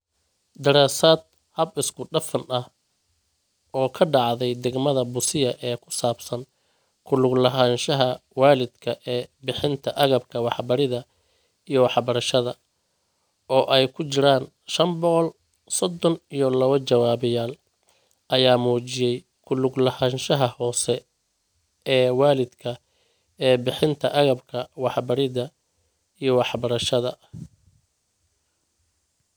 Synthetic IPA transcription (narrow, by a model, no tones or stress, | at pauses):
d̪ɐɾaːsaːd̪̚ | hɐbɪskʰʊɖɐfɐnɐh | ʔɔːkʰɐɖɑʕðɛjd̪ɛɡmɐðɐbʊsɪjɐʔɛːkʰʊ̥saːbsɐn | kʰʊlʊɡlɐɦaːnʃɐɦɐwaːlɪd̪kʰɐʔɛːbɪħɪnt̪ʰɐʔɐɣɐbkʰɐwɑħbɐɾɪðɐ | ijɞwɑħbɐɾɐʃɐðɐ | ʔɔːʔɛjkʰʊt͡ʃɪɾaːn | ʃɐmbɔqɔl | sɔd̪ɔnijɔlɐβɐt͡ʃɐwaːβɪjaːl | ʔɐjaːmuːt͡ʃɪjɛj | kʰʊlʊɡlɐhɐnʃɐɦɐhɔːsɛ | ɛːwaːlɪd̪kʰɐ | ɛːbɪħɪnt̪ʰɐʔɐɣɐbkʰɐwɑħbɐɾɪðɐ | ijɞwɑħbɐɾɐʃɐðɐ